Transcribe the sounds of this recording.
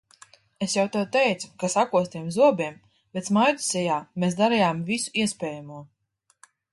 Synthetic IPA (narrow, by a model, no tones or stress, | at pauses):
esjawt̪ɛwt̪ɛjt̪su̥kasakuɔst̪iɛmzuɔbʲiɛm | bɛt̪smajd̪u̥sɛjaːmesd̪aɾɛjaːmvisu̥iɛspʲɛːjamuɔ